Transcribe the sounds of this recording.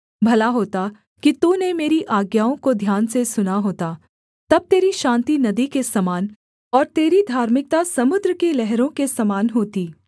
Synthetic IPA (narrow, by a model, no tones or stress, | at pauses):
bʱɐlaɦoːt̪a | kit̪uːnemeːɾiʔaːɡjaːõkod̪ʱjaːnsesʊnaɦoːt̪a | t̪ɐb̚t̪eːɾiʃãːnt̪inɐd̪ikesɐmaːn | ɔːɾt̪eːɾid̪ʱaːɾmɪk̚t̪asɐmʊd̪ɾəkelɛɦɾõkesɐmaːnɦoːt̪iː